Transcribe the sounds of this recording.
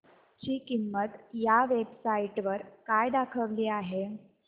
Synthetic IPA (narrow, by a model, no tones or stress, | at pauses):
t͡ɕiːkimːət̪jaʋebsaiʈʋəɾkajd̪akʰəʋliːaɦe